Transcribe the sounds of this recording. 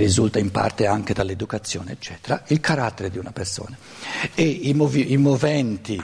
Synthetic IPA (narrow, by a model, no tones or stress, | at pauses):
rizult̪aimpa̰rt̪eaŋk̟ed̪alːed̪ukat̪sːjɔ̰ːneːt͡ʃːɛːt̪eɾailkʰaɾat̪ːeɾed̪iunaperso̰ːna | eimoviimovɛnt̪i